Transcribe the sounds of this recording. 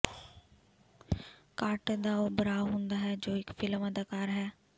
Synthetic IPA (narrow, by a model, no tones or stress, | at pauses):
kaːʈd̪aobəɾaːɦʊ̃ːnd̪aɦɛd͡ʒoːɪkfɪlməd̪əkaːɾɦɛː